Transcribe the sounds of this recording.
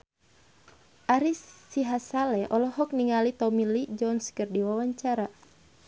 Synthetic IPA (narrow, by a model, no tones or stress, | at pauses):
ʔaɾisːiɦasalɛʔɔlɔɦɔk̚niŋalit̪ɔmilid͡ʒɔnskərdiwawaɲt͡ʃaɾa